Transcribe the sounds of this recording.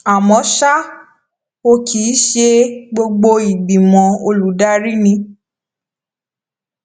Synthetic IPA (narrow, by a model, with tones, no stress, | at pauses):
a˨mɔ̃˨˦ʃa˦ | o˧ki˨˦ʃe˧ɡ͡bo˧ɡ͡bo˧i˨ɡ͡bi˨mɔ̃˨o˧lu˨˦da˦ɾi˦nĩ˧